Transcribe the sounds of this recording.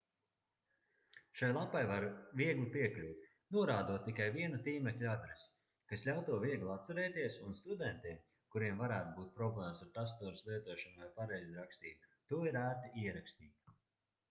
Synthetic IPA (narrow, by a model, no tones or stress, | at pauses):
ʃajlˠapːajvaɾviɛɡlˠipiɛklʲuːt̪ | nuɔɾaːd̪uɔːt̪ːikajviɛnut̪iːmɛklʲuad̪ɾes | kaslʎʲawt̪uɔviɛɡlˠat̪t̪saɾɛːt̪iɛsunst̪ud̪ɛnt̪iɛm | kuɾiɛmvaɾæːt̪ubuːt̪̚pɾɔblˠɛːmsaɾt̪ast̪uɔɾslˠiɛt̪uɔʃanuvajpaɾɛjziɾakst̪ḭːbat̪uɔiɾaːɾt̪aiɛɾakst̪iːt̪